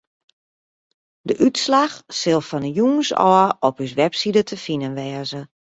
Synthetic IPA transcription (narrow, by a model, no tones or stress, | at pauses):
dəʔytslaxsɪlˠfɔnəjuːsɔ̰əʔɔpys̬ʋɛpsidətʰəfinənʋɛːzə